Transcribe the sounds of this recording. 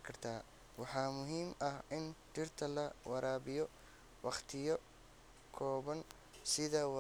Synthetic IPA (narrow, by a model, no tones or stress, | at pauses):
kʰɐrt̪ʰaː | wɑħɑːmʊɦiːmɐhʔɪnt͡ʃɪrt̪ʰɐlɐwʔɑɾaːβɪjɔ | wɑχt̪ʰɪjɔ | kʰɔːβɐŋ | sɪðɐw